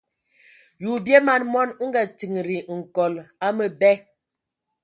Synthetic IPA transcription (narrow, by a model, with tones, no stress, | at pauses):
ju˨bje˦ma˨nmɔ˦n˦ŋ̩˦ɡa˨ti˨ŋ˨ɾi˨ŋ̩˨kɔ˨la˦mə˨bɛ˦